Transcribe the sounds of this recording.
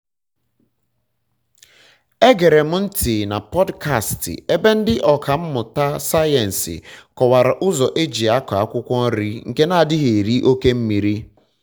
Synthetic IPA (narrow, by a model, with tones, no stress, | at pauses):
e˦ɡe˨ɾe˨m̩˦n̩˦tʰi˨na˨pɔ˦dka˦˨stɪ̰˨e˦be˦n̩˦dɪ˦ʔɔ˨kʰa˨m̩˦mʊ˨ta˦sa˦jɛ˨n̩˨sɪ̰˨kɔ˨wa˨ɾa˨ʔʊ˦zɔ˨ʔe˦d͡ʒi˨a˦kɔ˨a˦kʷʊ˦kʷɔ˦ɾi˦ŋ̩˨ke˦na˦˨dɪ˦ɦe˨ɾi˦ʔo˦ke˦m̩˦mi˨ɾi˦